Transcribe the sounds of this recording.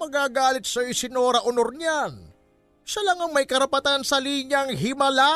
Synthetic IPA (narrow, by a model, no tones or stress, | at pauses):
mɐɡaːɡaːlɪt̪̚sɐjosɪnoɾɐʔʊnoɾɲan | ʃɐlaŋɐŋmɐjkɐɾɐpɐt̪ansɐliːɲɐŋɦɪmɐla